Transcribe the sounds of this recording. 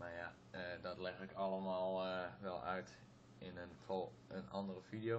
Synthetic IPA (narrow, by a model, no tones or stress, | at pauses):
maja | ədɔtlɛxɪkʰɑlˠəmaːlˠʋɛlˠœ̰ɥt | ɪnənfolˠ | ənɑ̰ndərəfidijo